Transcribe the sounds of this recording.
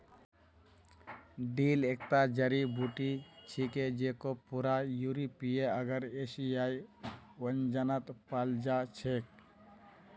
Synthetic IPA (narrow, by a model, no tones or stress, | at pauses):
ɖilekʈad͡ʒəɾibuʈit͡ʃʰiked͡ʒekopuɾajuɾipijeəɡəɾesijajwənd͡ʒanət̪pald͡ʒat͡ʃʰek̚